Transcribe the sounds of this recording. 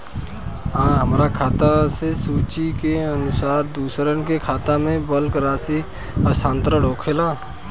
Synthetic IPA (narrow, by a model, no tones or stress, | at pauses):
ãːɦəmɾakʰaːt̪asesuːt͡ʃikeənʊsaːɾd̪uːsɾənkekʰaːt̪amẽbəlkɾaːsi | əsʰãːnt̪ɾəɽoːkʰelaː